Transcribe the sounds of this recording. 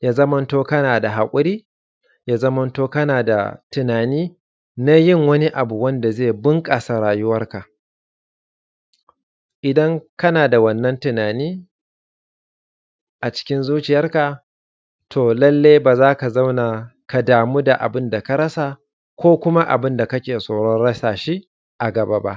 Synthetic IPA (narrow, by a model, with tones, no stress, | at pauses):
jaː˦zɐ˦mɐ˦ntoː˦kɐ˦naː˨da˨ɦa˨kʷʼʊ˦ɾiː˦ | jaː˦zɐ˦mɐ˦ntoː˦kɐ˦naː˨da̰˨tɪ˨naː˨niː˦ | na˦jɪ˦˨ŋwɐ˦ni˦ʔa˨bu˨wɐ˦nda˨zeː˦˨bɪ˦ŋkʼaː˨sa˨ɽaː˨jʊ˦wɐ˦rka˨ʔ | ʔɪ˨dɐ˦ŋkɐ˦naː˨da˨wɐ˦˨nːɐ˦ntʊ˨naː˨niː˦ | ʔa˨t͡ʃɪ̥˦kʲɪ˦nzuː˦t͡ʃɪ˨jɐ˦rka˨ | tʰoː˨lɐ˦lːeː˦jbaː˨zaː˦ka˨za˦wna˨ka˨daː˨muː˦da˨ʔa̰˨bɪ˦nda˨ka˦ɾɐ˦sa˨ | kʷoː˦kʷʊ˦ma˦ʔa̰˨bɪ˦nda˨kɐ˦kʲeː˨soː˨ɽɔ˦nɽɐ˦saː˨ʃi˦ | ʔa˨ɡɐ˨baː˦ba̰˦ʔ